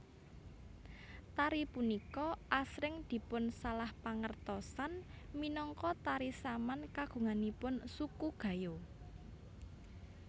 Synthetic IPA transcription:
t̪aɾipunikɔʔasɾɪŋd̪̥i̤pʊnsalahpaŋərt̪ɔsan | minɔŋkɔt̪aɾisamankaɡ̥ṳŋanipʊnsukuɡ̥ä̤jo

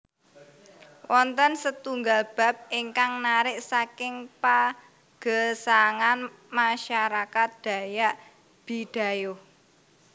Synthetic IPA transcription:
wʔɔnt̪ənsət̪uŋɡalb̥a̤p̚iŋkaŋnaɾɪʔsakɪŋpa | ɡ̥ə̤saŋan | maʃaɾakat̪̚d̪̥ä̤jaʔ | b̥id̪̥a̤jo

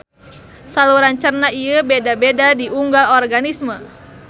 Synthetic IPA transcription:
saluɾaɲt͡ʃərnaiəbedabedadiuŋɡalɔrɡanismə

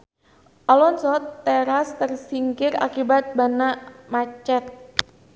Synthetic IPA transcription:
ʔɔlɔnsɔt̪ːeɾast̪ərsiŋkɪra̰kibat̪̚banamat͡ʃɛt̪̚

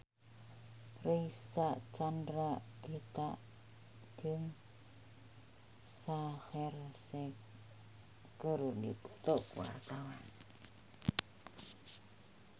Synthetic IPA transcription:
reisaʔt͡ʃandɾaʔɡ̥et̪aʔ | d͡ʒəŋ | saxɛrsɛ | kəɾunipu̥t̪ʊkwa̰rt̪awan

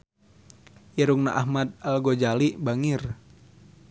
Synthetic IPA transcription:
jɛɾuŋna̰ʔahmad̪̚alɡod͡ʒalibaŋɪr

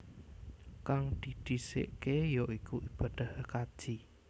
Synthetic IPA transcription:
kaŋd̪̥id̪̥i̤sḛʔkejoʔikuʔib̥ad̪̥a̤hkad̥ʒ̥i

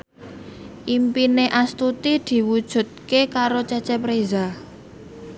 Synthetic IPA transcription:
ʔimpineʔast̪ut̪id̪̥i̤wud̥ʒ̥ṳt̪̚kekaɾot͡ʃɛt͡ʃɛpɾeza

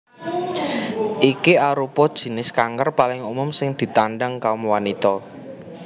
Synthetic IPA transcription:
ʔikiaɾupɔd̥ʒ̥i̤nɪskaŋkərpalɪŋumʊmsɪŋd̪̥i̤t̪anɖaŋkaʊmwanit̪ɔ

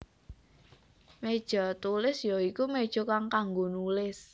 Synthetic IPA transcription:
med̥ʒ̥ɔ̤t̪ulɪsjoikumed̥ʒ̥o̤kaŋkaŋɡonulɪs

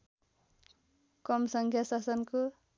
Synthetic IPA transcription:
kʌmsʌŋkʰjasasʌnko

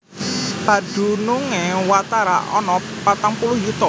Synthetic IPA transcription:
ba̤d̥ṳnuŋewat̪aɾa̰ʔɔnɔpat̪aŋpulʊhjut̪ɔ

